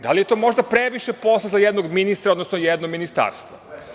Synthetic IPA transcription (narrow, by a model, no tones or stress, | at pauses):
d̪alijet̪o̞ːmo̞ʒd̪apɾe̞ʋiʃepo̞slˠazajed̪no̞ɡminist̪ɾaod̪nosnojed̪noɡminist̪a̰ːɾst̪ʋo